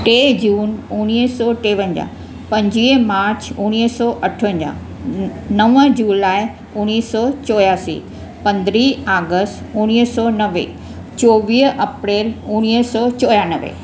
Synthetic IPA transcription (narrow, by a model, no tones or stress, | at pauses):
ʈeːd͡ʑuːnʊñiɦsɔːʈeːʋə̃ɲd͡ʑa̰ː | pɐ̃ɲd͡ʑiːmaːɾt͡ɕʊñiːsɔːʔɐʈʰə̃ɲd͡ʑa̰ː | nɐʋə̃d͡ʑuːlaːɪ | ʊñiːsɔːt͡ɕɔːjaːsḭ | pɐ̃nd̪ɾiaːɡəsʈʊñiɦsɔːnɐʋḛ | t͡ɕoːʋiːɦɐpɾeːlʊñisɔːt͡ɕɔːjaːnəʋḛ